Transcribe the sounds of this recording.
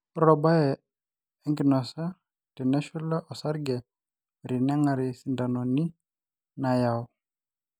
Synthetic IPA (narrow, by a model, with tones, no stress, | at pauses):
ɾɔ˨ba˦jɛ˨ | ɛ˦ŋɡɪ˨nɔ˨sa˦ | tɛ˨nɛ˦ʃu˦la˦ʔɔ˨sa˦ɾɡɛ˨ | ɾɪ˨na˦ŋa˨ɾɪ˨si˨nda˨nɔ˨ni˦ | na˨ja˨w